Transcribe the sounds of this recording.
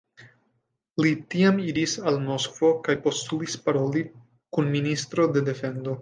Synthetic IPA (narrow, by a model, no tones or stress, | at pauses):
litiamiɾisalmo̞skv̥o̞kajpo̞stulispaɾo̞li | kunministɾo̞de̞de̞fe̞ndo̞